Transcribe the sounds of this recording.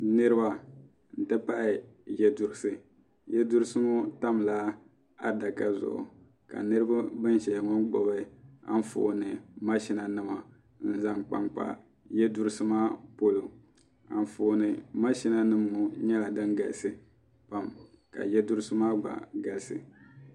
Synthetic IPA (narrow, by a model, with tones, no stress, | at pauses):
nɨ˦ɾɨ˦ba˨ | n̩˨tɨ˦pa˦ʔɪ˨jɛ˦dʊ˨ɾɨ˦sɨ˨ | jɛ˦du˦ɾɨ˦sɨ˦mu˦ta˦mlaː˦ | a˦da˨ka˨zʊ̰˨ʔʊ̰˨ | ka̰˨nɨ˦ɾɨ˦ba˦bɨ˦n˦ʃɛ˨ŋɔ˦nɡ͡bɔ˨bɨ˦a̰˦n˦fo̰ː˨nɨ˨ma˦ʃi˦na˨nɨ˦ma˨ | n̩˦za˦ŋk͡pa̰˨mk͡pa̰˨ | jɛ˦du˦ɾɨ˦sɨ˦maː˦po˦lo˨ | a̰˨n˨foː˨nɨ˨ma˦ʃi˦na˦nɨ˦mːu˨ɲɛ˦la˨dɨ˦ŋɡa˨lsɨ˨ | pa˨mka̰˨jɛ˦du˦ɾɨ˦sɨ˦maː˦ɡ͡ba̰˨ɡa˨lsɨ̰˨